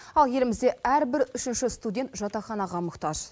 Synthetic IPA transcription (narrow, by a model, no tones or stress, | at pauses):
ɑlˠje̞lɪmɪzd̪e̞æɾbɪɾʏʃɪnʃɪst̪udʲe̞nt̪ʒɑt̪ɑχɑnɑʁɑmʊqt̪ɑʒ̥